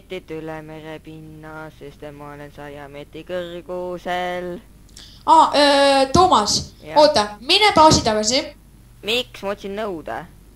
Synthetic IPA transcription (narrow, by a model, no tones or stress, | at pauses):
t̪ːit̪ːylemeɾepinːɑsest̪emɑolensɑjɑmet̪ːikɯrɡ̥usel | ɑːʔt̪oːmɑso̞ːt̪ˑːɑminepɑːsit̪ɑɡɑs̬i | miksmɑot̪ʲsinːnɤwd̪̥ɑ̰